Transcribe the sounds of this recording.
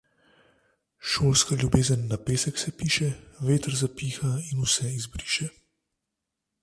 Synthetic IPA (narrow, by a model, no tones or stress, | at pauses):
ʃoːlskaljubeːzənːapeːsɛksɛpiːʃɛʋeːt̪əɾzapiːxainusɛizbɾiːʃɛ